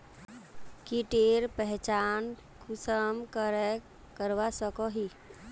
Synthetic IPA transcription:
kiʈeɾpəɦt͡ʃan | kʰusəmkəɾɛ | kəɾʋasəkɔɦi

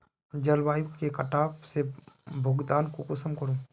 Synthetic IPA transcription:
d͡ʒəlwaːjũkekəʈaːpsebʱʊɡd̪aːnkokʊsəmkəɾuː

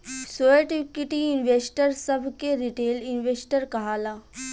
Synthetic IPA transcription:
soːeʈikiʈiɪnʋeːsʈəɾsəbʱkeɾiʈeːlɪnʋeːsʈəɾkɐɦaːlaː

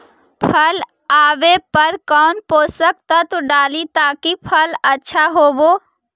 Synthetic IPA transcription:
pʰəl | aːʋepəɾkɔːnpoːsək̚t̪at̪oɖaːlit̪aːkipʰələtːʃʰaɦoːboː

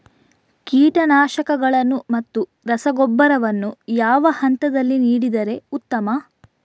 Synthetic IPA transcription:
kiːʈɐnaːʃɐkɐɡɐɭɐnːumɐt̪ːu | ɾɐsɐɡɔbːɐɾɐʋɐnːujaːʋɐhɐnt̪ɐd̪ɐlːiniːɽid̪ɐɾe̞ut̪ːɐmɐ

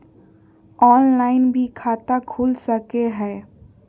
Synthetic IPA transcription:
ɔːnlaːɪnbʱikʰaːt̪akʰuːlsəkeɦɛ̃ː

